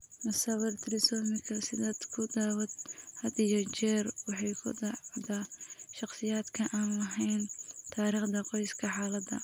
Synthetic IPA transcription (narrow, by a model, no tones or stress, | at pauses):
mɐsɐwɐrt̪ʰɪɾɪsɔːmɪkʰɐsɪðɐd̪kʰʊd̪aːwɐd̪hɐd̪ijɔt͡ʃɛːrwɑħɑjkʰʊ̰d̪ɑʕd̪aːʃɑχsɪjaːd̪kʰɐʔaːnlɐɦɛjnt̪ʰaːɾiːχd̪ɐqɔjskʰɐħaːlɐd̪ɐ̰